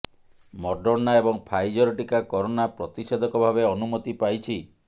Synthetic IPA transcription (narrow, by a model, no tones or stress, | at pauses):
mɔɖɔɾnaebɔŋpʰajd͡ʒɔɾɔʈikakɔɾonapɾɔt̪ised̪ʱɔkɔbʱabeɔnumɔt̪ipajt͡ʃʰi